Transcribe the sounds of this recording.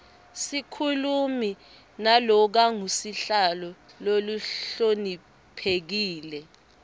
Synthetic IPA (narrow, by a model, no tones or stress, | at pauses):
sikʰulumi | nalɔk̬aŋusiɬalɔloluɬoni | pʰek̬iːlɛ